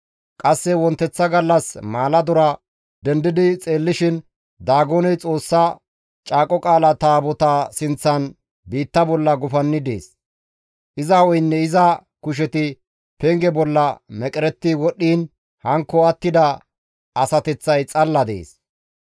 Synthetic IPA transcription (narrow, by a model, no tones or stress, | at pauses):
kʼɐsːɛwɔnt̪ːɛt͡sːɐɡɐlːɐsmaːlɐd̪ʊɾɐ | d̪ɛnd̪ɪd̪ɪt͡sʼe̞ːlːɪʃɪn | d̪aːɡonɛjt͡sʼo̞ːsːɐ | t͡ʃʼaːkʼɔkʼaːlɐt̪aːbɔt̪aːsɪnt͡sːɐn | biːt̪ːɐbɔlːɐɡʊfɐnːɪd̪ḛːs | ʔɪzɐɔjnːɛɪzɐkʊʃ̬ɛt̪ɪ | pɛŋɡɛbɔlːɐmɛkʼɛɾɛt̪ːɪwɔɗːiːn | hɐŋkːɔɐt̪ːɪd̪ɐ | ɐsɐt̪ɛt͡sːɐjt͡sʼɐlːɐd̪ḛːs